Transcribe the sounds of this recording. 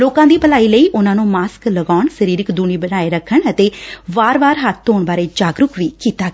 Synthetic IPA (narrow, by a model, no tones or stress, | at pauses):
loːkãːd̪iːbəlaːiːləiːʔʊnãːnũːmaːskləɡaːʊɳsəɾiːɾɪkd̪uːɳ̃iːbənaːeːɾəkʰːəɳət̪eːʋaːɾʋaːɾɦət̪ʰːoːɳbaːɾeːd͡ʒaːɡɾʊkʋiːkiːt̪aːɡ